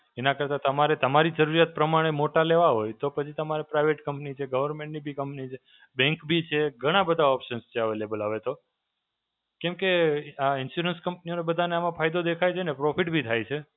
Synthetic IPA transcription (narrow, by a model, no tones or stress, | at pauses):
enakəɾt̪at̪əmaɾet̪əmaɾid͡ʒəɾuɾjat̪̚pɾəmaɽ̃emoʈaleʋaɦojt̪opət͡ʃʰit̪əmaɾepɾajʋeʈkəmpnit͡ʃʰeɡəʋəɾmẽɳʈnibʱikəmpnit͡ʃʰe | bɛ̃ŋkbʱit͡ʃʰeɡʱəɽ̃abəd̪ʱaɔpʃənst͡ʃʰeaʋelebəlaʋet̪o | kɛ̃mkeaɪnʃuɾənskəmpnionebəd̪ʱaneamãpʰajd̪od̪ekʰajt͡ʃʰenepɾofʰiʈbʱit̪ʰajt͡ʃʰe